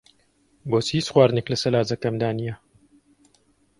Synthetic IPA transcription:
bosiːsxwaːɾneklɐsɐɾaːzɐkɐmd̪aːnijɐ

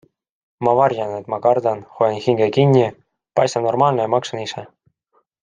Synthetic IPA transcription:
mɑvɑrʲjɑnet̪mɑkɑrd̪ɑnxojɑnxiŋɡekinʲːi | pɑjst̪ɑnːo̞rmɑːlnejɑmɑksɑnisɛ

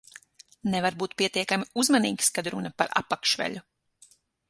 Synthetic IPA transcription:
nɛvaɾbuːt̪̚pʲiɛt̪iɛkamiuzmanḭːkskad̪ɾunɐpaɾa̰pːakʃʋɛ̰ʎʲu

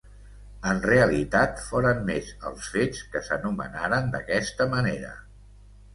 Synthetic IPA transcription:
ənreəlit̪at̪foɾəmmezə̰lˠsfet͡skəsənumə̰naɾənd̪əkɛst̪əməneɾə̰

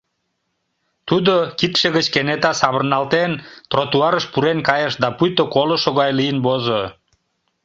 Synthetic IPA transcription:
t̪ud̪okit̪ʃə̆ɣət͡ɕkenet̪ɑsɑβərnɑlt̪ent̪rot̪uɑɾəʃpuɾenkɑjəʃd̪ɑpujt̪okoloʃoɣɑjlijənbozo

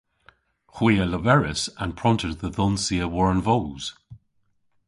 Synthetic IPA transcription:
hwiːələvɛɹɪsə̃npʰɹ̥ɔ̃ntəd̚ðəðɔ̃nsiəwɔɹənvoʊz̥

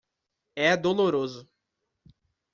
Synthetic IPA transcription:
ɛd̪oloɾozʊ

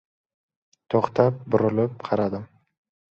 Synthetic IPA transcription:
t̪ʰoχt̪ʰap̚bʊɾɪlɪp̚qʰɑɾad̪ɪm

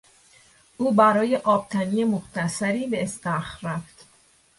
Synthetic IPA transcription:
ʔuːbæɾɒːje̞ʔɒːb̥̚t̪ʰæniːemoχt̪ʰæsæɾiːbe̞ːst̪æxɾæft̪

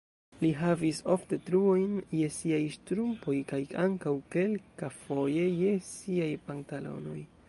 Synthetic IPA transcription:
liɦaviso̞fte̞tɾuo̞jnje̞siajʃtɾumpo̞jkajaŋkawke̞lkafo̞je̞je̞siajpantalo̞̰no̞̰j

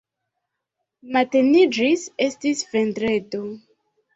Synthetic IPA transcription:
matenid͡ʒisestisvendɾeto

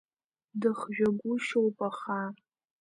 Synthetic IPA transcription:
dɨχʒᶣaɡʷʊʃowpʼaχa

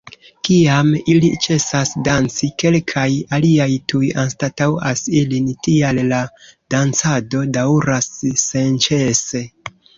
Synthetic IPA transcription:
kiamilit͡ʃe̞sasdant͡sike̞lkʰajaliajtujanstatawasilintialːad̥ant͡sado̞dauɾasːe̞nt͡ʃe̞se̞

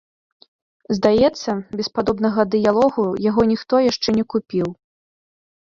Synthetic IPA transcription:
zd̪ajɛt̪sːɐbʲɛspad̪ɔbnɐɣɐd̪ɨjalˠɔɣujaɣɔnʲixt̪ɔjaʂt͡ʂɛnʲɛkupʲiw

